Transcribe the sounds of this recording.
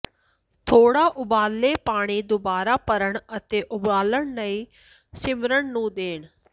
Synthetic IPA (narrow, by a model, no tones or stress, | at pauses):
t̪ʰoːɽaːʔʊbaːlːeːpaːɽ̃iːd̪obaːɾaːpəɾəɳət̪eːʔʊbaːləɳnəiː | sɪmɾəɳnũːd̪eːɳ